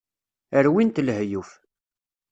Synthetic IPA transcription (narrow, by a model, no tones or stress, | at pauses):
əɾwint̪ləhjuf